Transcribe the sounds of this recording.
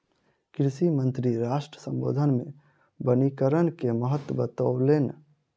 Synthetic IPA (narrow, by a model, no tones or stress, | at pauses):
kɾɪʃimə̃nt̪ɾiɾaːʃʈɾəsə̃mbo̰ːd̪ʱənmḛ̃ | bənikəɾənkeməɦət̪wəbət̪owlen